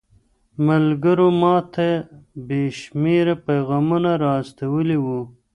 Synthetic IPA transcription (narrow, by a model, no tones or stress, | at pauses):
malɡəɾomɑt̪ʰebeʃmeɾapajɣɑmunaɾɑst̪awəliwu